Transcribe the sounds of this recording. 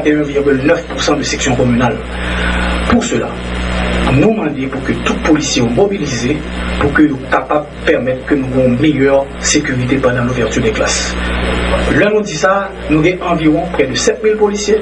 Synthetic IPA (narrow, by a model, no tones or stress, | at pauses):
t̪eɛ̃viʁɡʲylnœfpuʁsɑ̃d̪əsɛksjɔ̃komynal | puʁsøla̰ | nũmɑ̃d̪epuʁkøt̪ut̪̚polisjeomobilize | puʁkønũkapab̚ | pɛʁmɛt̪kønũɡɔ̃ɔ̃mejœʁ | sekyʁit̪̬epɑ̃d̪ɑ̃luvɛʁt̪yʁd̪ɛkla̰s | lɛnũd̪isa | nũɡɛ̃ʔɑ̃viʁɔ̃pʁɛd̪əsɛt̪̚milpolisje